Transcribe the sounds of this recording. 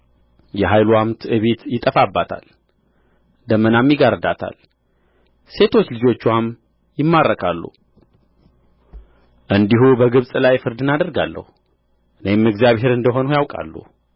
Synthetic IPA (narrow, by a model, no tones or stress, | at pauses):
jɛɦajluamt̪ʰɨβet̪jɪt̪ʼəfabːat̪ʰa̰l | d̪əmːənamjɪɡaɾəd̪at̪ʰa̰l | se̞t̪ʰo̞t͡ʃːlɨd͡ʒo̞t͡ʃːam | jɪmːaɾːəkʰalːṵ | ʔɨnd̪iɦubəɡɨβsʼlajfɨɾd̪ɨnad̪əɾɡa̰lːə̰hu | ʔɨnemɨɡzjaβhe̞ɾɨnd̪əɦo̞nujawkʼa̰lːṵ